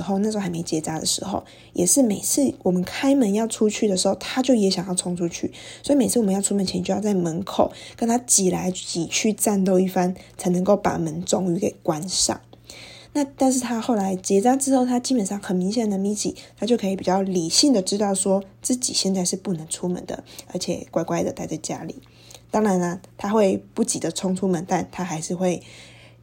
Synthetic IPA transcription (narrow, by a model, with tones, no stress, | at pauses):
xo˥˧ʊna˥˧˩a˧˥ɪme˧˥ʊ˨t͡ɕjɛ˧˥t͡sa˥d̪ə̰˨˩ʂɻ̩˧˥xo̰˥˧˩ʊ | jʔɛ˨˩ʂɻ̩˥˩me˨˩ɪt͡sʰɹ̩˥˩wʔɔ˨˩mə˦nkʰa˥ɪmə˧˦njɑ˥˩ʊʈ͡ʂʰu˥t͡ɕʰy˥˩d̪ə˩ʂɻ̩˧˥xo˥˩ʊt̪ʰa˥t͡ɕjo˥˩ʊjɛ˧˥ɕjɑ˨ŋjɑ˥˩t͡sʰʊ˧˥ŋʈ͡ʂʰu˦t͡ɕʰy̰˥˩swɔ˧˥i˨me˨˩ɪt͡s̩ʰ˥˩wm˧˦jɑ˥˧ʊʈ͡ʂʰu˥mə˨nt͡ɕʰɛ˧nt͡ɕo˥˧jɑ˥˧t͡sa˥˩ɪmə˧˥nkʰo˨˩ʊkə˦˥nt̪ʰa˥t͡ɕi˨˩la˧˦˥ɪt͡ɕi˨˩t͡ɕʰy˥˧ʈ͡ʂa˥˧nt̪o˥˧ʊi˥˩fa˦nt͡sʰa˧˥ɪnə˧˥ŋko˥˩ʊpa̰˨˩mə˧˦nt͡so˥ŋy˧˥ke˨˩ɪkwa˦nʂɑ̰˨˩ŋ | na˥˧t̪a˥˧nʂ̬ɻ̩˥˩t̪ʰa˦˥xo˥˩ʊla˨˧˦ɪt͡ɕjɛ˧˥t͡sa˥ʈ͡ʂɻ̩˥xo˥˩ʊt̪ʰa˥t͡ɕi˥pə˨˩nʂɑ˥˩ŋxə˨˩nmi˧˥ŋɕjɛ˨˩nd̪ə˩mi˥˩t͡ɕʰḭ˨˩t̪ʰa˥t͡ɕjo˥˩ʊkʰɤ˧˥i˨˩pi˨˩t͡ɕjɑ˥˩ʊli˨˩ɕi˥˩ŋd̪ə˩ʈ͡ʂɻ̩˥t̪ɑ˥˩ʊswɔ˥t͡sɹ̩˥˩t͡ɕḭ˨˩ɕjɛ˥˧nt͡sa˥˧ɪʂɻ̩˥˧pu˥˩nə˧˥ŋt͡sʰu˥mə̰˧˦nd̪ə̰˨ə̰˧˥t͡ɕʰjɛ̰˨˩kwa˥˩ɪkwa˥ɪd̪ə˨˩t̪a˥˧ɪt͡sa˥˩ɪt͡ɕja̰˥lḭ˨˩˦ | t̪ɑ˥ŋɻa˧˦nə˧t̪ʰa˥xwe˥˧ɪpu˥˩t͡ɕi˨˩d̪ə˩t͡sʰʊ˥ŋt͡sʰu˥mə˨nt̪a˥˩nt̪ʰa˥xa˧˥ɪʂɻ̩˥˧xwe˥˩ɪ